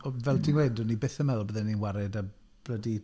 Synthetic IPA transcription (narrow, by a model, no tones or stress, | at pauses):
ɔvɛlˠdʰinwejdɔnibɪθəmɛlˠbəðɛnːinwaɾɛda | b̥lədi